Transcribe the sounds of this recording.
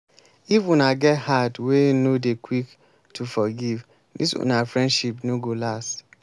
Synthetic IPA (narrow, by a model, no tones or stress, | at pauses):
ifũnaɡɛthadwenodekwik | tʰufɔɡiv | dḭsṵ̃nafɹɛ̃ndʃipnoɡolast